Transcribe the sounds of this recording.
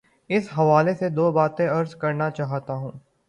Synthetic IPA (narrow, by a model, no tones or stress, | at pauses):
ɪsɦɐʋaːlesed̪oːbaːt̪ẽɐɾzkɐɾnat͡ʃaːɦt̪aɦũː